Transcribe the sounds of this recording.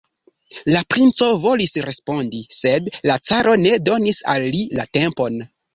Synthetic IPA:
lapɾint͡so̞vo̞lisɾe̞spo̞ndise̞dlat͡saɾʔo̞ne̞do̞nisa̰lːilate̞mpo̞n

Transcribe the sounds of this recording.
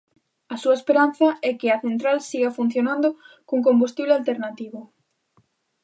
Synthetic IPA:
ɐsuɐespeɾan̟θɐɛkɪɐθent̪ɾalsiɣɐfun̟θjonãnd̪ʊkuŋk̬ombust̪iβlealt̪eɾnat̪iβʊ

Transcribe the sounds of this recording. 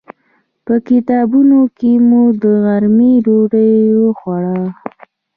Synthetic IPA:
pəkɪt̪ɑbunokemud̪əɣaɾmiɾoɖəjoxwaɽɑ

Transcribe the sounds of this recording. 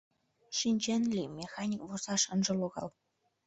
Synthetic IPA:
ʃinʲd͡ʑenlʲimʲexɑnʲikvosɑʃɤ̆nʒɤ̆loɣɑ̰lˠ

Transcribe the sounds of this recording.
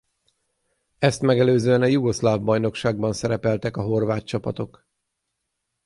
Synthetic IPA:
ɛst̪mɛɡɛløːzøːɛnɒjuɡo̞slaːvbɒjno̞kʃaːɡ̚bɒnsɛɾɛpɛlt̪ɛkɒɦo̞rvaːt̪̚t͡ʃɒpɒt̪o̞k

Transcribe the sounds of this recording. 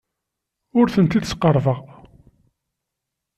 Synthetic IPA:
ʊɾθənt̪id̪sqərˤvəʁ

